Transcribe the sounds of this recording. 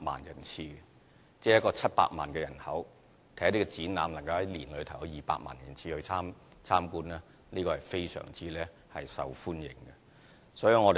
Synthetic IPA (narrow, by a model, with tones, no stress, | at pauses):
ma̰ː˨njɐ˨˩nt͡sʰiː˧ | t͡sɛː˥˧˥jɐ˥tkɔː˧t͡sʰɐ˥t̚pa̰ː˧k̚ma̰ː˨nkɛː˧jɐ˨˩nhɐ˨˥w | t̪ʰɛː˨˥t̪i˥kɛ˧t͡siː˨˥nna̰ː˨˧mlɐ˨˩ŋkɐ˧whɐ˨˦jliː˨˩nlɵ˨˧ɥt̪ʰɐ˨˩wjɔ˨˧wjiː˨˩pa̰ː˧k̚ma̰ː˨˩njɐ˨˩nt͡sʰiː˧hɵ˧t͡sʰaː˥m | t͡sʰaː˥mkuː˥nɛː˦ | niː˥kɔ˧hɐ˨jfe˥jsœ̰ː˨˩ŋt͡siː˥lɛː˥ | hɐ˨jsɐ̰˨wfuː˥njɪ̰˨˩ŋɡɐ˧ | sɔː˨˥ji˧ŋɔ˨˧d̪e˨